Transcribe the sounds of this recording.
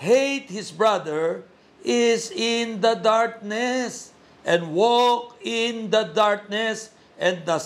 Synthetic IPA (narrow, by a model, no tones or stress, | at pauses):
hejt̪̚hɪsbɹad̪əɹ | ɪsɪ̃nd̪ɐd̪aɹk̚nɛs | ʔɛ̃nwɔkɪnd̪ɐd̪aɹk̚nɛs | ʔɛ̃nd̪a